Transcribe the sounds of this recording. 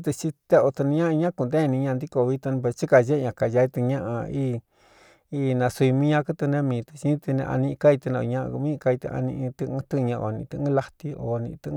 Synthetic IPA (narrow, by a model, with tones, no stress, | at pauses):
t̪ɨ˧t͡ʃi˧t̪e˦o˧t̪ɨ˧nĩ˧˦ã˦˧ɲã˦ku˧nd̪e˦˧nĩ˧ɲã˧nd̪i˦ko˧˨˧βi˧˦t̪u˧ñ˧pe˧t͡ʃi˦ka˧ʒe˦˧ɲã˨˧ka˨ja˧i˧t̪ɨ˧ɲã˦ʔa̰˧i˦ | i˦˧nã˧su˧i˧mĩ˦ɲã˦˧kɨ˦t̪ɨ˧nẽ˦mĩː˧t̪ɨ̥˧t͡ʃi˧˦t̪ɨ˧nḛ̃˧ʔa̰˧nĩ˧ʔka˦i˧t̪ɨ˧nã˧o̰˧ɲã˦˧ʔkmĩ˦˧ka˧i˧t̪ɨ̰˧a̰˧nĩ˧ʔĩ˧t̪ɨ̃˧t̪ɨ˦˧ɲã˧o̰˨nĩ˧t̪ɨ˧ʔɨ̃˦la˧t̪i˧o˨nĩ˧t̪ɨ˧